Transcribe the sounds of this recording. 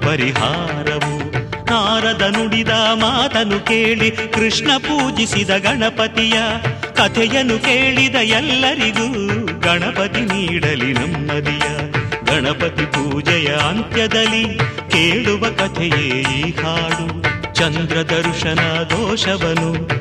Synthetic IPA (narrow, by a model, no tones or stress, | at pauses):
pɐɾiɦaːɾɐʋunaːɾɐd̪ɐnuɽid̪ɐmaːt̪ɐnukeːɭikɾiʂɳɐpuːd͡ʒisid̪ɐɡɐɳɐpɐt̪ijɐkɐt̪ʰɛjɐnukeːɭid̪ɐjɛlːɐɾiɡuɡɐɳɐpɐt̪iniːɽɐlinɐmːɐd̪ijɐɡɐɳɐpɐt̪ipuːd͡ʒɛjɐɐnt̪jɐd̪ɐlːikeːɭuʋɐkɐt̪ʰɛjeːehaːɽut͡ʃɐnd̪ɾɐd̪ɐɾʂɐnɐd̪ʱɔːʂɐʋɐnu